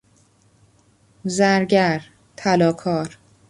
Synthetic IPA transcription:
zæɾɟæɾ | t̪ʰælɒːkʰɒːɾ

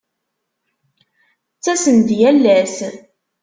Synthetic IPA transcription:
t͡sːæsənd̪jælːæs

